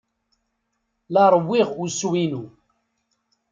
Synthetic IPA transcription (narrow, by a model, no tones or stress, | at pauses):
lɑɾˤəwːiʁuswinu